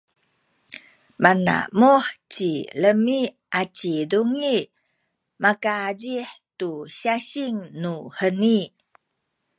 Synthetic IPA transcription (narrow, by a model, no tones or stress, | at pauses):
mana̰muħt͡ɕiləmi | ʔat͡ɕiduŋi | makaɟiħtuɕaɕiŋnuhəni